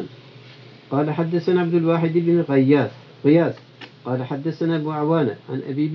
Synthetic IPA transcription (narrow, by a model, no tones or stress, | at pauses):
n | qɑːlaħad̪ːaθanaʕabd̪ʊlwaːħɪd̪ɪbnɪɣɑjːaːs | ɣɪjaːs | qɑːlaħad̪ːaθanaːʔabuːaʕwaːna̰ʕa̰nʔa̰biːb